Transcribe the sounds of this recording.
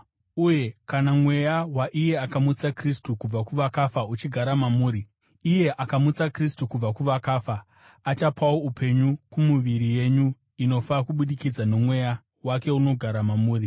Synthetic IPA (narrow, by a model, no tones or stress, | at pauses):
uje̞kanamwe̞jawaʔije̞akamut͡sakristukub͡vakuʋakafaut͡ʃiɡʱaɾamamuːɾiː | je̞ʔakamut͡sakristukub͡vakuʋakaːfaː | t͡ʃapʰawo̞upʰe̞ɲukumuʋiɾije̞ɲu | ino̞fakuɓuɗikid͡zano̞mwe̞ja | wake̞uno̞ɡʱaɾamamuːri